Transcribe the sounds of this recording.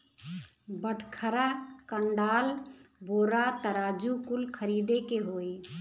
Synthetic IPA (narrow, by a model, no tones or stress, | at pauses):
bəʈʰkʰəɾakəɳɖaːlboːɾat̪əɾaːd͡ʒukʊlkʰəɾiːd̪ekeɦoːe